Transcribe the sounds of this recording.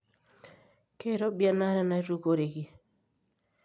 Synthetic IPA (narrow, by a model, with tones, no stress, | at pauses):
ke˦˨ɾɔ˦bja˦na˦ɾɛ˦na˨˦i˦ɾu˦ko˨ɾe˨ki˨